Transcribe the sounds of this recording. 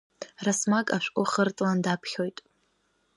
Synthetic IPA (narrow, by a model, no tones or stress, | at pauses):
rasmakʼaʃᶣʷkʷʼʊχərt͡sʼlandapʰχʲo̞jtʼ